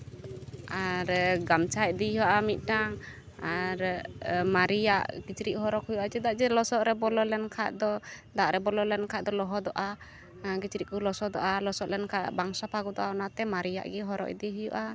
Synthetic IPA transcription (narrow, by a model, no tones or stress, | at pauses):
aɾɡamt͡ʃʰaj̚d̪ihɔaʔamit̪̚ˀʈaŋ | aɾmaɾijaʔɡit͡ʃɾiʔɦɔɾɔkhujuʔat͡ʃɛd̪aʔd͡ʒɛlɔsɔʔɾɛbɔlɔlɛnkʰaʔ̪d̪ɔd̪aʔɾɛbɔlɔlɛnkʰad̪ɔlɔɦɔd̪ɔʔa | ɡit͡ʃɾiʔkulɔsɔd̪ɔʔalɔsɔʔlɛnkʰaʔbaŋsapʰaɡɔd̪ɔʔaɔnat̪ɛmaɾija̰ʔɡɛɦɔɾɔ̰ʔd̪iɦujṵʔa